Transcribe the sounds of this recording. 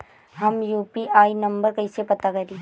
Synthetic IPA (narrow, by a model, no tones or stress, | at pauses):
ɦɐmjuːpiʔaːinɐ̃mbəɾkɐɪsepɐt̪akɐɾi